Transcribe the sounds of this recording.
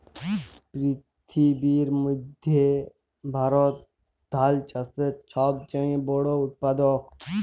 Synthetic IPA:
pɾi | t̪ʰibiːɾmud̪ʱje | bʱaɾoːt̪̚ | d̪ʱaːlt͡ʃɐsət͡ʃʰaːb̚t͡ʃəĩboːɽoːut̪̚pad̪ok

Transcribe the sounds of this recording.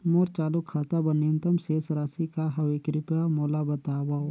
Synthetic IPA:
moːɾt͡ʃaːlukʰːaːt̪abɐnent̪ɐmseːsɾaːsikaɦɐwekɾɪpamoːlabɐt̪aːbaː

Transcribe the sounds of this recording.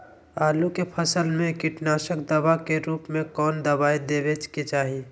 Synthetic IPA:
aːlukepʰəsəlmẽkɪʈnaːʃək̚d̪əbakeɾuːpmẽkɔːnd̪əbaːjd̪eːbet͡ʃket͡ʃaːɦi

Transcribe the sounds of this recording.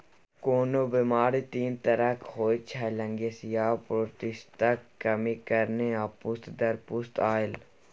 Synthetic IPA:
koːnobimaːɾit̪iːnt̪əɾəkhoːit͡ʃʰɛlə̃ŋɡesɪjaːpɾoːt̪ɪst̪akːɐmikəɾneaːpʊst̪d̪əɾpʊst̪aːɪl

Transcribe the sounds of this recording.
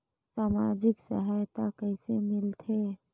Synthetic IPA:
saːma̰d͡ʒɪksa̰ɦajt̪akəɪsemɪlt̪ʰe

